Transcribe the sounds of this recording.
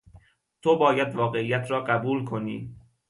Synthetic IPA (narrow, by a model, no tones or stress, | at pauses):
t̪ʰobɒːjæd̪vɒːɣe̞ijæt̪ʰɾɒːɢæbuːlkʰo̞niː